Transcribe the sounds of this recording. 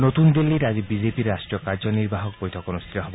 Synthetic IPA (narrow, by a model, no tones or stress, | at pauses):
not̪und̪ilːiɾad͡ʒibid͡ʒepiɾːasʈɾijɔkaɾd͡ʒɔniɾbaɦɔk̚bojt̪ʰɔkonust̪ʰit̪ɔɦɔbɔ